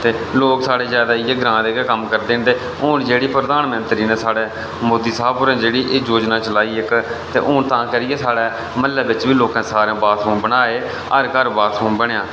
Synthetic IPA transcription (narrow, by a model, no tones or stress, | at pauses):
t̪eːloːksaːɽeːzjaːd̪aːɪːeːɡɾãːd̪eːkekəmkəɾd̪eːnd̪eː | ʊːnd͡ʒeːɽiːpɾəd̪aːnmənt̪ɾiːneːsaːɽeː | moːd̪iːsaːbʊːɾẽːd͡ʒeːɽiːʔeːd͡ʒoːd͡ʒnaːt͡ʃəlaːiːɪkt̪ḛːʔʊːnt̪ãːkəɾɪjeːsaːɽɛː | məlːɛːbɪt͡ʃʋiːloːkãːsaːɾẽːbaːt̪ɦõːnbəɽaːeː | ə̰ɾkəɾbaːt̪ɦoːnbəɳjãː